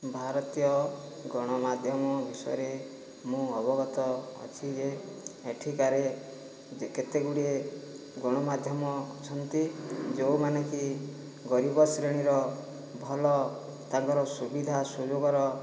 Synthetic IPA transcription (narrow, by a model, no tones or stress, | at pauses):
bʱaɾɔt̪ijɔ | ɡɔɽ̃ɔmad̪ʱjɔmɔbʱisɔjɔɾe | mũɔbɔɡɔt̪ɔ̰ːt͡ʃʰid͡ʒeːʈʰikaɾe | ket̪eɡuɽie | ɡɔɽ̃ɔmad̪ʱjɔmɔt͡ʃʰɔnt̪id͡ʒewmaneki | ɡɔɾibɔsɾeɽ̃iɾɔ | bʱɔlɔ | t̪ãŋkɔɾɔsubid̪ʱasud͡ʒoɡɔɾɔ